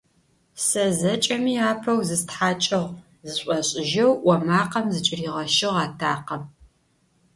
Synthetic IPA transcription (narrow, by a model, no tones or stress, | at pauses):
sɐzɐt͡ʃʼɐmiːaːpʰɐwzɨstħaːt͡ʃʼɐʁ | zɨɕʷʼɔɕʼɪʒɐwwɐmaːqɐmzɨt͡ʃʼɪriːʁɐʃɪʁɑːtʰaːqɐm